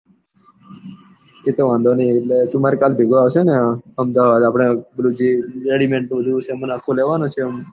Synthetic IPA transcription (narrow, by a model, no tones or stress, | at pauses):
et̪eʋãnd̪ʱonieʈlet̪ũmaɾekaːlbʱeɡaːʋt͡ʃeneəmd̪aʋad̪apɳ̃eblud͡ʒiɾeɽimẽɳʈnũbəd̪ʱut͡ʃemənaːkʰoleʋanõt͡ʃʰem